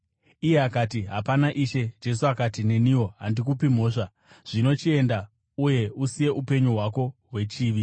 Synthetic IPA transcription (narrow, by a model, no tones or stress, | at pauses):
ije̞akatiɦa̰panaʔiʃe̞d͡ʒe̞suakatine̞niwo̞ɦandikupim̤o̞ːʂa | ʐ̥ino̞t͡ʃie̞nda | uje̞usije̞ʔupe̞ɲuɦwako̞ɦwe̞t͡ʃiːʋi